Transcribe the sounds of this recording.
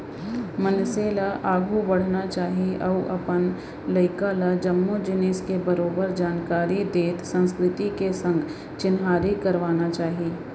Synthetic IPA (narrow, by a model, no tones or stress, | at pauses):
mənseːlaʔaːɡʱubɐɽ̤nat͡ʃaːɦiʔɔːʔɐpən | lɐɪkalad͡ʒɐmːud͡ʒɪnɪskebɐɾoːbəɾd͡ʒaːnkaːɾid̪eːt̪sə̃nskɾɪt̪ikesɐ̃ŋɡʱ | t͡ʃɪnɦaːɾikɐɾʋaːnat͡ʃaːɦiiː